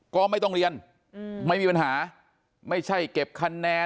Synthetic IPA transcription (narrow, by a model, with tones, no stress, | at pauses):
kɔː˥˩ma˥˩jt̪ɔ˥˩ŋɾi˧ən | ma˥˩jmiː˧pa˧nɦaː˩˦ | ma˥˩jt͡ɕʰa˥˩jke˨˩p̚kʰa˧nːɛː˧